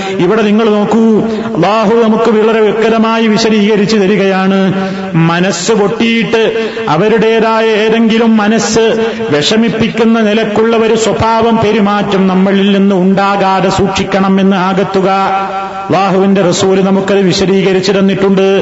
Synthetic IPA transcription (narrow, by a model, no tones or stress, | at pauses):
iʋiɽe̞niŋːɐɭno̞ːkːu | ɐ̰lːaːɦunɐmukːɨʋiɭɐɾeʋikːɐɾɐmaːjiʋiɕɐɾiːɣɐɾit͡ɕːut̪ɐɾuɣɐjaːɳɨ | mɐnɐsɨʋo̞ʈːijiʈːɨ | ɐʋɐɾuɽe̞ːðaːjɐeːɾe̞ŋɡilumːɐnɐsɨ | ʋe̞ʂɐmipːikʲːunːɐnilɐkːuɭːɐʋɐɾuswɐbʱaːʋɐmpe̞ɾimaːtːɐmnɐmːɐɭilninːɨuɳɖaːɣaːɽɐsuːkʂikʲːɐɳɐme̞nːɨaːɣɐt̪ːuɣɐ | ɐlːaːɦuʋinde̞rɐsuːlnɐmukːɐðɨʋiɕɐɾiːɣɐɾit͡ɕːɨɾɐnːiʈːuɳɖɨ